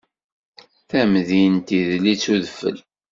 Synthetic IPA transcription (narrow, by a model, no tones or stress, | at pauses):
θæmðint̪iðlit͡sːuðəfə̰l